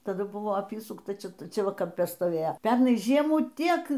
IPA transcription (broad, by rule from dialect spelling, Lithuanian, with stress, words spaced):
tɐˈdʊ ˈbʊʋoː ˈɑːpʲiːsʊktɐ ˈt͡ʃʲɛ ˈt͡ʃʲɛ ˈʋɐ kɐmʲˈpʲɛ stoːˈʋʲeːjoː ˈpʲɛrnɐɪ ˈʒʲiɛmuː ˈtʲiɛk